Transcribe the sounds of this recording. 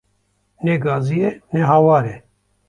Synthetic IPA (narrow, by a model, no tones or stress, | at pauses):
neɡaːzijenɛɦaːwaːɾɛ